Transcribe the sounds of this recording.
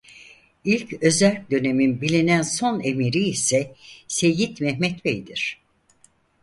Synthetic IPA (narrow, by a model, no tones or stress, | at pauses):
ilʲcø̞zælʲcd̪ø̞ne̞minbilʲinænso̞ne̞miɾiːsɛse̞jit̪mɛɦmɛt̪bejd̪iɾ̝̥